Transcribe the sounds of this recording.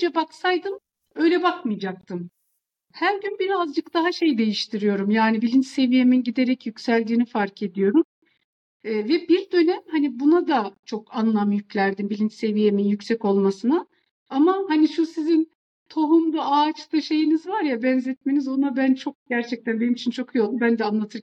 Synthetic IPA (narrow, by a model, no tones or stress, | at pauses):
d͡ʒɛbaksajd̪ɯm | ø̞jlʲɛbakmɯjd͡ʒak̚t̪ʰɯm | hæɾɟynbiɾazd͡ʒɯkd̪aɦaʃejd̪e̞jiʃt̪ʰiɾijo̞ɾumjaːnibilʲint͡ʃse̞vije̞minɟid̪e̞ɾɛcjycsælʲd̪iːnifaɾce̞d̪ijo̞ɾumː | vɛbiɾd̪ø̞nɛmhanibunad̪at͡ʃʰo̞kanlˠamjyclʲæɾd̪imbilʲint͡ʃse̞vije̞minjycʲsɛco̞lˠmasɯna | amahaniʃusizin | t̪ʰo̞ɦumd̪aaːt͡ʃlˠɯʃe̞jinizvaɾjabɛnzɛt̪̚me̞nizo̞nabænt͡ʃʰo̞k̚ɟ̥æɾt͡ʃʰɛc̚t̪ʰænbe̞nimit͡ʃʰint͡ʃʰo̞kʰjolˠd̪umbænd̪ɛanlˠat̪ʰɯɾ